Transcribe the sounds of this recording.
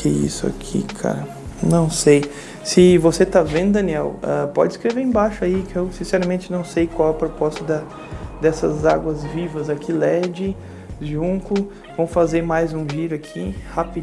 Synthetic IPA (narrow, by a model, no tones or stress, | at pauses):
eḭsʊa̰kʰḭkʰa̰ɾɐ | nɐ̃w̃sej | sɪvoset̪avẽnd̪ʊd̪ɐ̃niɛwɛ̰pɔ̰d͡ʒɪskɾeveẽbaʃʊaikewsĩsɛɾɐmẽnt͡ʃɪnɐ̃w̃sejkwawɛpɾopɔst̪ɐd̪ɐ | d̪ɛsɐzaɡwɐzvivɐzakʰilɛd͡ʒɪ | ʒũkʊ | võw̃fazeɾmajzũʒiɾʊakʰihap